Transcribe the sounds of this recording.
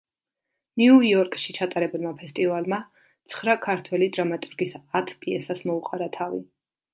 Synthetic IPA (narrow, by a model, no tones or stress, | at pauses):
niuiɔɾkʼʃit͡ʃʰat̪ʼaɾɛbulˠmapʰɛst̪ʼivalˠma | t̪sʰχɾakʰaɾt̪ʰwɛlid̪ɾamat̪ʼuɾɡisat̪ʰpʼiɛsasmɔuqʼaɾat̪ʰavḭ